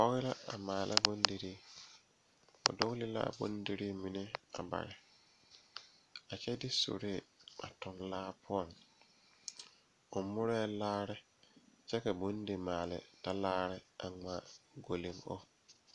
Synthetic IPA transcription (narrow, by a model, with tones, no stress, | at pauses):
ɔ˦ɣɪ˦la˦a̰˨maː˨lʔa̰˦bo˦ndi˨ɾi˦ | o̰˨do˦lɪ˦la̰˦˨bo̰˨˦ndi˦ɾi˦mi˨nɪ˦a̰˨ba̰˨ɾɪ˨ | a˨t͡ʃɛ˦dɪ˦so̰˨ɾe˦˨a̰˨tʊ˨nlaː˦pʰʊ˦ɔ˨ŋ | ʊ˨mʊ˦ɾɛː˦laː˦ɾɪ˦ | t͡ʃɛ˦ka˨bo˨˦n˦de˨maː˨lɪ̰˨da˦laː˦ɾɪ˦a̰˨ŋa˨ɡo˨li˨ŋo̰˦